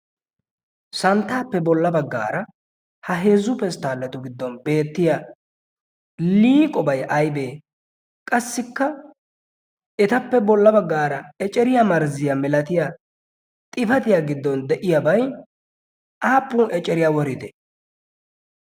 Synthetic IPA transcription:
sɐnt̪ːaːpːɛbɔlːɐbɐɡːa̰ːɾɐ | hɐɦe̞ːzːʊpɛst̪aːlːɐt̪ʊɡɪd̪ːɔnbe̞ːt̪ːɪja | liːkʼɔbɐjʔɐjbeː | kʼɐsːɪkːɐ | ɛt̪ɐpːɛbɔlːɐbɐɡːaːɾɐɛt͡ʃʼɛɾɪjamɐɾzɪjɐmɛlɐt̪ɪja | t̪ʼɪfɐt̪ɪjaɡɪd̪ːɔnd̪ɛʔɪjabɐj | aːpːunʔɛt͡ʃʼɛɾɪjawɔɾɪd̪ɛ

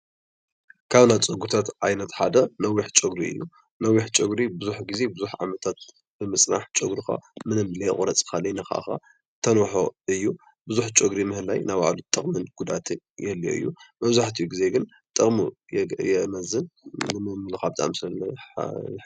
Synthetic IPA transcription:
kʰaβnat͡sʼɐɡut̪ʰat̪ʔajnɐt̪ħad̪ɐnɐwiħt͡ʃʼɐɡɾiɨ̰jːu | nɐwiħt͡ʃʼɨɡɾibɨzuħɡize̞bɨzuħʕa̰mɐt̪ʰat̪̚ | b̥ɨmɨsʼna̰ħt͡ʃʼɐɡɾuxa̰mɨnɨmlḛχʼɾɐt͡sʼxalɐjnɐxa̰ʔxa̰ | t̪ʰɐnwɔħoʔɨjːu | bɨzuħt͡ʃʼɨɡɾimɨhɨlajnajwa̰ʕlut̪ʼːɨχʼmɨnɡ̥ud̪at̪ʰɨn | jɛlːio̰ʔɨ̰jːumɐβzaħt̪ʰiɡize̞ɡɨn | t̪ʼɨχʼmu | jɛmɐzɨnːɨmɨmlɨxabɨt̪ʼa̰msɐ

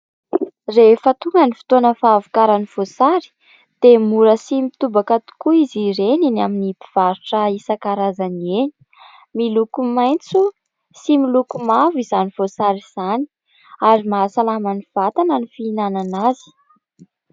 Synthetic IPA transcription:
refət̪uŋɡənifi̥t̪onəfaːvukaɾaniv̥osaɾi̥ | d̪̥emuɾəsimit̪ubakat̪u̥kuiziɾeninaminipi̥v̥aɾuʈ͡ʂəisakaɾazanieni̥ | milukumajnt͡su | similukumavizanivosaɾiz̥ani̥ | aɾimaːsalamaniv̥at̪anənifiːnananazi̥

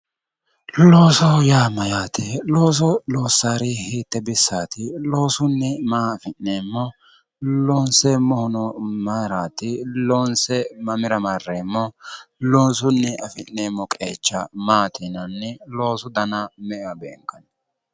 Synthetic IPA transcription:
lo̞ːsɔjaːmɐjaːt̪ɪloːs̬ɔlo̞ːsːaːɾɪhiːt̪ːɛbɪsːaːt̪ɪlo̞ːsʊnːɛmaːfɪnːeːmːɔ | loːnsɛmɔhʊnɔmaːɾaːt̪ɪloːnsɛmɐmɪɾɐmɐrːeːmːɔlo̞ːs̬ʊnːɛʔɐfɪnːeːmːɔkʼe̞̰ːt͡ʃːɐmaːt̪ɪnɐnːɛlo̞ːsʊd̪ɐnɐmɛʔwɐbɛːŋkːɐn

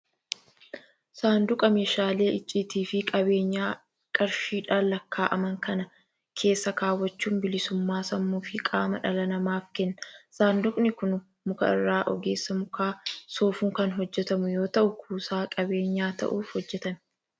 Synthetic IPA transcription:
saːnd̪ʊkʼɐmeːʃaːle̞ːʔɪt͡ʃʼːiːt̪iːfɪkʼɐbe̞ːɲːaː | kʼɐɾʃiːᶑaːlːɐkːaːʔɐmɐŋkɐnɐ | kʰe̞ːsːɐkaːwːɐt͡ʃːuːnbɪlɪsʊmːaːsɐmːuːfɪkʼaːmɐᶑɐlɐnɐmaːfkɛnːɐsaːnd̪ʊkʼnɪkʊn | mʊkɐ̰ɪ̰rːaːʔɔ̰ɡe̞ːsːɐmʊkaːsoːfuːŋkɐnɦɔd͡ʒːɛt̪ɐmʊjo̞ːt̪ɐʔʊkʰuːsaːkʼɐbe̞ːɲːaːt̪ɐ̰ʔuːfhɔd͡ʒːɛt̪ɐn

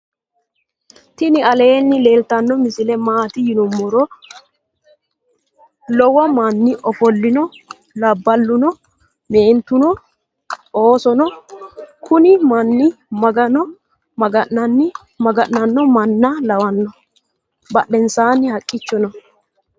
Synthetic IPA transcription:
t̪ɪnɪɐleːnːɪle̞ːlt̪ɐnːɔmɪsɪlɛmaːt̪ɪjɪnɔmːɔɾɔ | lɔwɐmɐnːɪʔɔfɔlːɪnɔ | lɐbːɐlːʊnɔ | meːnt̪ʊnɔ | oːsɔnɔ | kʰʊnɪmɐnːɪmɐɡɐnɔ | mɐɡɐʔːɐnːɪ | mɐɡɐnːɐnːɔmɐnːɐlɐwɐnːɔ | bɐɗɛnsaːnːɪhɐkʼːɪt͡ʃːɔnɔ

